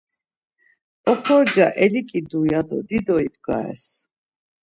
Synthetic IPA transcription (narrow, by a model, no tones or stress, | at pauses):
ɔχʰɔɾd͡ʒaʔɛlikʼid̪ujad̪ɔ̰d̪id̪ɔibɡa̰ɛ̰s